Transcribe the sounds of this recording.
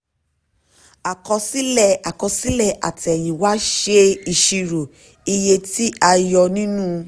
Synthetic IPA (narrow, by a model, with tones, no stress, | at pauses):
a˨kɔ˧si˦lɛ˦˨a˨kɔ˧si˦lɛ˦˨ʔa̰˨ti˨ɛ˨jĩ˨wa˨˦ʃe˦i˧ʃi˧ɾo˨ | i˧je˧ti˦a˧jɔ˧nĩ˦nũ˦